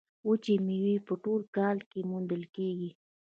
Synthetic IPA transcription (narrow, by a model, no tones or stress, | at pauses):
wut͡ʃemiwipəʈolkɑlkemund̪əlkeɡi